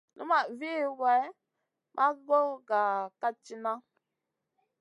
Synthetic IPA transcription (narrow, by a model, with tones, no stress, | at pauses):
nṵ˦ma˨vi˦˨wa˨˦ | mʔa˦ɡo˦ɡa˨ka˦t͡ʃi˦na˦